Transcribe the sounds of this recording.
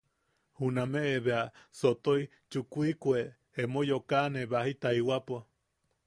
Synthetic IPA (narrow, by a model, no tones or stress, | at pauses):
hunameʔeβeasot̪oi | t͡ʃukuikweː | mojokaneβahit̪aiwapua